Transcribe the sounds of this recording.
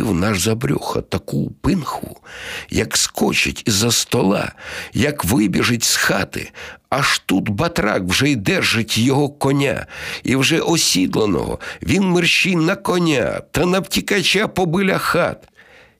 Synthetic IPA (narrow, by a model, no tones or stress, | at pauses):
wnaʒzɐbɾʲɔ̰xɐ̰t̪ɐkupɪnxʊ̰jɐkskɔt͡ʃɪ̰tʲizɐst̪ɔlˠɑ̰jɐkʋɪbʲiʒɪtʲsxat̪ɪ̰ɐʃt̪ut̪bɐt̪ɾɑ̰kwʒɛid̪ɛrʒɪtʲjɔɦɔkɔnʲa̰iwʒɛʔɔsʲid̪lˠɐnɔ̰ɦɔ̰ʋʲinmɪrʃijnɐkɔnʲa̰t̪ɐnɐwtʲikɐt͡ʃʲapɔbɪlʲɐxɑ̰t̪